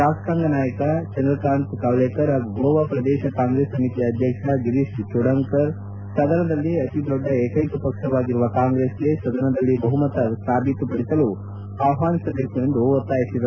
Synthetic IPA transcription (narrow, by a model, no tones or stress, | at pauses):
aːskaːŋɡɐnaːjɐkɐt͡ʃɐnd̪ɾɐkɾaːnt̪kaːʋlekɐɾauɡoːʋɐpɾɐd̪ɛːʃɐkaːŋɡɾeːsɐmit̪iɐd̪ʱjɐkʂɐɡiɾiʂt͡ʃuɽɐŋkɐɾ | sɐd̪ɐnɐd̪ɐlːiɐt̪id̪ɔɖːɐeːkɐjkupɐkʂɐʋaːɡiɾuʋɐkaːŋɡɾeːsɡesɐd̪ɐnɐd̪ɐlːibɐɦumɐt̪ɐst̪ʰaːbit̪upɐɽisɐlu | aːwɦaːnisɐd̪ʱjɐksɐend̪uot̪ːaːjisid̪ɐɾ